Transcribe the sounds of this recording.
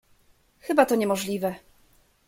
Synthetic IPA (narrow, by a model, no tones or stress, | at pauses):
xɘbat̪ɔɲɛmɔʐlʲivɛ